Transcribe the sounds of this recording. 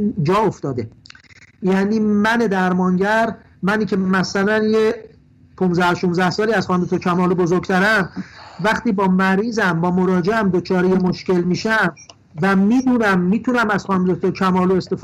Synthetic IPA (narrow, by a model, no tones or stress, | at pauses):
d͡ʒɒːoft̪ɒːd̪e | jæniːmæne̞d̪æɾmɒːŋɟæɾ | mæniːcʰe̞mæsælænje | pʰunzæhoʃunzæhsɒːliːæzxɒːnd̪et̪ʰocʰæmɒːlobo̞zoɾɡt̪ʰæɾæmvæχt̪iːbɒːmæɾiːzæmbɒːmo̞ɾɒːd͡ʒeʔæmd̪ot͡ʃʰɒːɾejemo̞ʃce̞lmiːʃæm | væmiːd̪uːnæmːiːt̪ʰunæmæz̥xɒnd̪et̪ʰocʰæmɒːloest̪ef